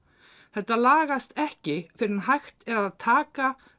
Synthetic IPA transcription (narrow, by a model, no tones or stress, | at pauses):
θɛht̪ːalaːɣast̪ɛhcɪfɪɾɪɾnɦajxt̪ɛɾaðaðt̪ʰaːka